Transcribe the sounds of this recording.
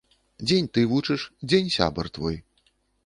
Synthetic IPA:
d͡zʲenʲt̪ɨvut͡ʂɨʂd͡zʲenʲsʲa̰bɐrt̪vɔj

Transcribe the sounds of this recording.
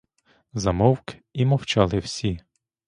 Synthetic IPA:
zɐmɔwkimɔwt͡ʃɑlˠɪwsʲi

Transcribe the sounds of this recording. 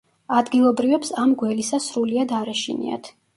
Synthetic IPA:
ad̪ɡilˠɔbɾivɛpsamɡwɛlisasɾuliad̪aɾɛʃḭnḭa̰t̪ʰ

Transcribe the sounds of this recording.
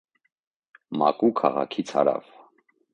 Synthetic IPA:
mɑkʼukʰɑʁɑkʰit͡sʰhɑɾɑ̰v̥

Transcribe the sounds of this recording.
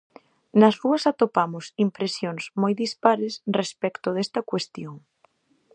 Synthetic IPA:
nɐzruɐsat̪opamʊsimpɾesjoŋsmojðispaɾesrespɛkt̪oðɛst̪ɐkwest̪joŋ

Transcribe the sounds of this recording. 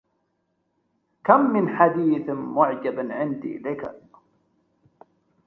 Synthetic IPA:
kamːɪnħad̪iːθmʊʕd͡ʒabʕɪnd̪ʔɪ̰laka̰

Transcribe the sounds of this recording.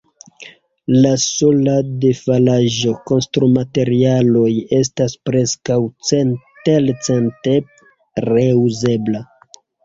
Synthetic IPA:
laso̞lade̞falaʒo̞ko̞nstɾumate̞ɾialo̞je̞s̬taspɾe̞skawt͡sentelt͡sente | ɾe̞uze̞bla

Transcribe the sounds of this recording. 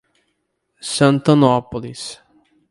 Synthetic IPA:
sãnt̪ɐnɔpolis

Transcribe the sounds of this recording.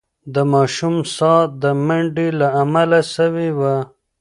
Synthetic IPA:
d̪əmɑːʃumsɑt̪̚d̪əmaɳɖilaamalasəwewa

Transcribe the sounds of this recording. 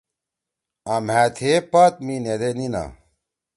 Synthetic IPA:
ɐm̤ɦæt̪ʰepɐt̪̚mined̪enina̰

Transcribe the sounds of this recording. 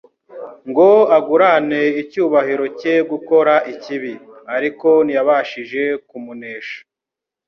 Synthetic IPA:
ŋɡo̞aɡuɾane̞icuːβahiɾo̞ceɡuko̞ɾaʔiciβiaɾiko̞nijaβaːʃiʒe̞kumuneːʃḁ

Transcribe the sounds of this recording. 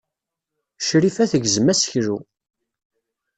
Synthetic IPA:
ʃɾifæθəʝzəmæsə̥çɾu

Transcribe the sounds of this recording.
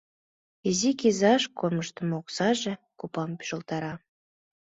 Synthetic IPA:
ezikʲizɑʃkorməʃt̪ə̆moksɑʒĕ | kupɑmpy̥ʒə̆lˠt̪ɑɾɑ

